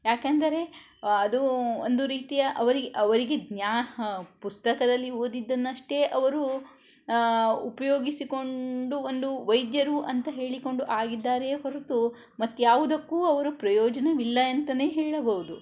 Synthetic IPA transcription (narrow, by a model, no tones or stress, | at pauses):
jaːkɐnd̪ɐɾe̞ | ɐd̪uond̪uɾiːt̪ijɐʔɐʋɐɾiɡeʔɐʋɐɾiɡe̞ɡnjaːɦɐpust̪ɐkɐd̪ɐlːioːd̪id̪ːɐnːɐʂʈe̞ːʔɐʋɐɾu | pɐjoːɡisiko̞ɳɖuond̪uʋɐjd̪jɐɾuʔɐnt̪ɐɦe̞ːɭiko̞ɳɖuʔaːɡid̪ːaːɾe̞ːɦoɾut̪u | mɐt̪ːjaːʋud̪ɐkːuːɐʋɐɾupɾɐjɔːd͡ʒɐnɐʋilːɐɐnt̪ɐne̞ːɦeːɭɐbɐʋud̪u